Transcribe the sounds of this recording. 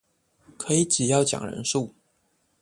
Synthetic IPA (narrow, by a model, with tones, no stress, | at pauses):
kʰɤ˧˥i˨˧˥t͡ɕi˨˩jɑ˥˩ʊt͡ɕjɑ̰˨˩ŋɻə̰˧˥nʂu˥˩